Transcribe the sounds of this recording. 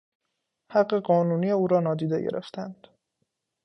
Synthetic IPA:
hæɢːe̞ɢɒːnuːnijeuːɾɒːnɒːd̪iːd̪ḛɟḛɾḛft̪ʰænd̪̥

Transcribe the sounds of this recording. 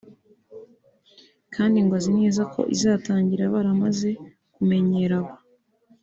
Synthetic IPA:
kʰaːndiŋɡwazine̞ːzakʰo̞̰ʔḭzaːtaːɲɟiɾaβaɾamaze̞ | kume̞ɲe̞ɾaβo

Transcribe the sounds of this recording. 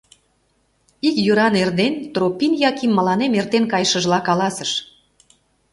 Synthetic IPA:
ikjuɾɑnerd̪ent̪ropinjɑkimːəlɑnemert̪enkɑjʃəʒlɑkɑlɑsəʃ

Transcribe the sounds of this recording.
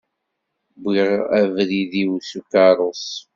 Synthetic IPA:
biʁævɾiðiwsukɑɾˤos

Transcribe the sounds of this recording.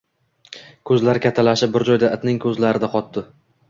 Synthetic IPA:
kʰɵzlaɾkʲʰat̪ʰːalaʃɪp̚bɪɾd͡ʒɒjd̪aʔɪt̪nɪŋkʰɵzlaɾɪd̪aqʰɒt̪d̪ɪ

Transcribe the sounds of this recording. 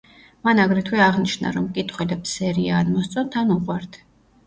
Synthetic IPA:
manaɡɾɛt̪ʰwɛaʁniʃna̰ɾɔmkʼit̪ʰχʼwɛd̪apsɛɾiaːnmɔst̪sʼɔnt̪ʰanuqʼwaɾt̪ʰ

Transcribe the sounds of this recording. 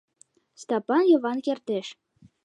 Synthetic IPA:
st̪ɑpɑnjɤ̆βɑnkert̪eʃ

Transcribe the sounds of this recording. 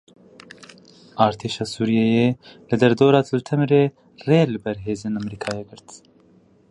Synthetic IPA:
ɑːɾt̪ʰeːʃɑːsuːɾijɛjeːlɨd̪ɛɾd̪oːɾɑːt̪ʰɨlt̪ʰɛmɾeː | reːlɨbɛɾɦeːzeːnamɾiːkʰɑːjeɡɨɾt̪

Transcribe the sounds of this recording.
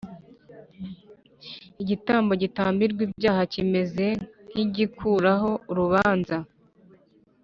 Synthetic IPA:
iɟitaːmbo̞ɟitaːmbiɾɡwiːbɟaːhacime̞ze̞n̥iɟikʰuɾaɦo̞uɾuβaːnza

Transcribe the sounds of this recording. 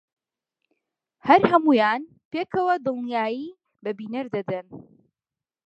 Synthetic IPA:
hɐɾɦɐmuːjaːn | peːkɐwɐd̪ɨlˠnijaːjiː | bɐbiːnɐɾd̪ɐd̪ɨn

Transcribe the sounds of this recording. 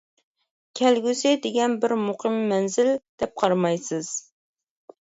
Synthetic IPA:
kʲʰɛlɡʲysɪd̪ɪɡʲɛnbɪɾmʊqʰɨmːɛnzɪld̪̥ɛp̚qʰɑɾmɑjsɨz̥

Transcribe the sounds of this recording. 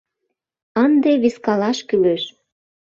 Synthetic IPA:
ənd̪eβiskɑlɑʃkyløʃ

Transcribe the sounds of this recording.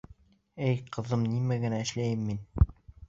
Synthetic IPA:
ɘjqʰɤ̆ðɤmnimæɡɘ̆næɘ̆ʃlæjɘmːin

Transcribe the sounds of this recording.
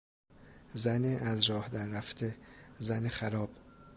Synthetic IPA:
zæneʔæzɾɒːhd̪æɾːæft̪ʰezænexæɾɒːb̥

